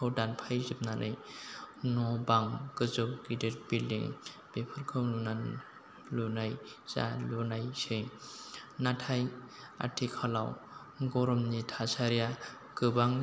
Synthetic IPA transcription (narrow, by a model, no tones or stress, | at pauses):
ɔwdanpʰajzɯp̚nanʔɯ̰j | nɔbaŋɡɯzɯp̚ɡideɾbildiŋ | b̥epʰɯɾkʰɯwluna | lunajz̥a̰lunajsɯŋ | natʰaj | a̰tʰikʰala̰w | ɡɔɾɔmnitʰasaɾija | ɡɯbaŋ